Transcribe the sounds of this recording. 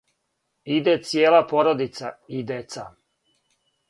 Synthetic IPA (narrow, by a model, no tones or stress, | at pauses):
id̪et̪sjeːlˠapoɾod̪it̪said̪et̪sa